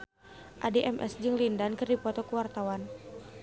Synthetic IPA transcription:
ʔadeʔɛmʔɛ̰sd͡ʒɨŋlindankɨrdipɔt̪ɔkuwart̪awan

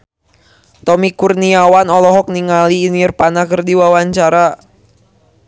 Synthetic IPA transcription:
t̪ɔmikurniawanɔlɔɦɔk̚niŋaliːnirpanakərdiwawaɲt͡ʃaɾa

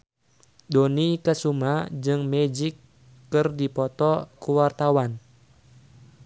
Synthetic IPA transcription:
donikəsumad͡ʒɨŋmɛd͡ʒikː | ɨrdipɔt̪ɔkuwart̪awan

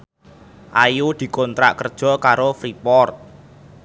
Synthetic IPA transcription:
ʔajud̪̥i̤kɔnt̪ɾa̰ʔkərd̥ʒ̥ɔ̤kaɾofɾipɔrt̪̚

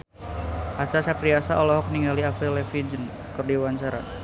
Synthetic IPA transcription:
at͡ʃasap̚t̪ɾiasaʔɔlɔɦɔkniŋɡaliafɾilɛfid͡ʒən | kɨrdiwaɲt͡ʃaɾa̰

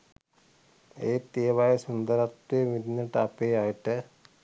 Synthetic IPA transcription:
eːt̪ijɐʋaːjɐsund̪ɐɾɐt̪ːemid̪nːɐʈːɐpːejaːjiʈːɨ

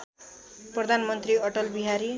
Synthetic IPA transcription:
prʌd̪ʱanmʌnt̪riʌʈʌlbiɦaɾi

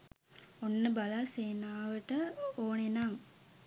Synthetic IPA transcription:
onːəbalaseːnaːʋəʈəoːnenaŋ

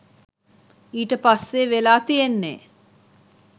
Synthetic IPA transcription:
iːʈəpasːeʋelaːt̪ijenːḛː

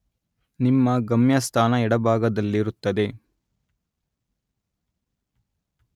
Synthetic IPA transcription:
nimːɐɡɐmjɐst̪ʰaːnɐɛɽɐbʱaːɡɐd̪ɐlːiɾut̪ːɐd̪e̞

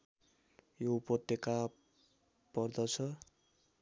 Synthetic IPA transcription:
joupʌt̪jʌka | pʌrd̪ʌt͡sʰʌ

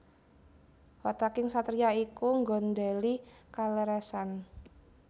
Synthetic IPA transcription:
wat̪akɪŋsat̪ɾiaikuŋɡɔndɛlikalɛɾɛsan

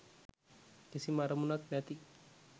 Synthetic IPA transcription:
kesimaɾamunaknat̪i

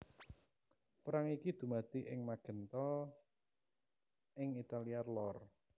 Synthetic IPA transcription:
pɾaŋikid̪̥ṳmad̪̥iʔɪŋmaɡ̥ə̤nt̪ɔ | ɪŋit̪aliarlɔr

